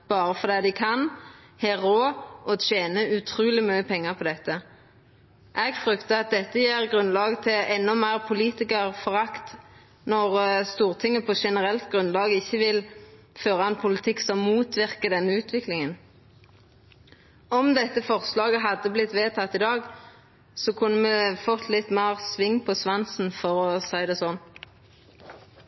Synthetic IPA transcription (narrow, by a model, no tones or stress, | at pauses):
b̥ɑːʁəfɔd̪ɛːd̪ɪkʰɑn | hɛʁoːʔɔʃeːnəʉt̪ʰʁuːlɪmyːəpʰɛŋːəʁpʰɔd̪ɛt̪ːə | ʔɛːɡfʁʏkt̪əɑt̪̚d̪ɛt̪ːəjeːʁɡʁʉnlɑːɡt̪ʰɪlɛnːɔmæɪʁpʰʊliːt̪ɪkəʁfɔʁɑkt̪ | nɔʁst̪uːʁt̪ʰɪŋːəpʰɔʃɛnəʁɛlt̪ɡʁʉnlɑːɡəɪçːəʋɪl | føːʁəɑnpʰʊlɪt̪ʰɪksɔmːuːt̪ʰʋɪʁkəd̪ɛnːəʉːt̪ʰʋɪklɪŋən | ɔmd̪ɛt̪ːəfɔʁslɑːɡəɦɑd̪ːəblɪt̪ʋeːt̪ʰɑt̪ːɪd̪ɑːɡ | sɔkʰʉnːəmɛfɔt̪ʰːlɪt̪mæːʁsʋɪŋːpʰɔsʋɑnsn̩fɔʁɔsæɪd̪ɛːsɔn